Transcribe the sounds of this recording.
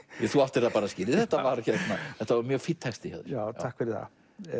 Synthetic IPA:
jɛθuaft̪ɪrðabaːɾaskɪːɾɪθɛht̪avaɾçɛt̪naθɛht̪aɔmjœfɪt̪ʰːast̪iha̰ðt̪ʰakvɛɾiθa̰

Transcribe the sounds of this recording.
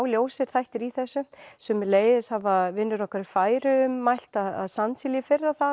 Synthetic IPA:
wljoːwsɪɾ̥θajht̪ɪɾiθɛsːʏsɛmleːjðɪshavaðvɪnːʏɾɔhkaɾɪɾfaːjɾʏʏmːajl̥t̪aða̰ðsansɪljɪfɪrːaθa

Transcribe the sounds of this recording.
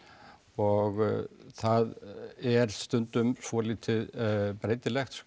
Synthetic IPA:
ɔɣθaðɛɾ̥st̪ʏnt̪ʏmsɔliːt̪ʰɪðpɾeːjt̪ɪlɛxt̪s

